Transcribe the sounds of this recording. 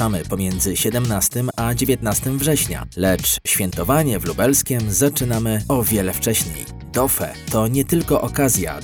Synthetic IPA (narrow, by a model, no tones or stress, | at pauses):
amɘpɔmʲjɛnd̪zɘɕɛd̪ɛmnast̪ɘmad͡ʑevʲjɛt̪nast̪ɘmvʐɛɕɲa̰lɛt͡ʂɕfʲjɛnt̪ɔvaɲɛvlubɛlskʲɛmzat͡ʂɘnamɘɔvʲjɛlɛft͡ʂɛɕɲḛj | d̪ɔfɛ̰t̪ɔɲɛt̪ɘlkɔʔɔkazʲja̰